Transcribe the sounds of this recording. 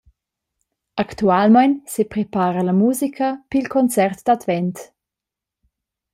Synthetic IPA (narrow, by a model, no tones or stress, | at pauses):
aktualmajnsepɾepaːɾəlamuːzikʰəpilkʰɔnt͡sɛrt̪d̥̪advɛnt